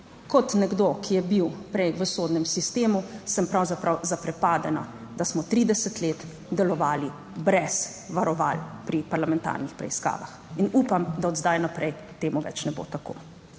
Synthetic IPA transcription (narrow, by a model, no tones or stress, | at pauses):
kɔt̪nɛɡd̪okʰijɛbiwpɾɛjʋəsoːd̪nɛmsist̪eːmusəmpɾawzapɾawzapɾɛpaːd̪ɛna̰ | d̪asmɔt̪ɾiːd̪ɛsɛt̪leːt̪ | d̪ɛlɔʋaːli | bɾɛz | ʋaɾɔʋalpɾipaɾlamɛnt̪a̰ːɾnixpɾɛ̰iska̰ːʋa̰xinuːpamd̪aɔd̪zd̪ajnapɾɛj | t̪eːmuʋɛ̰t͡ʃnɛbo̰t̪ako̰ː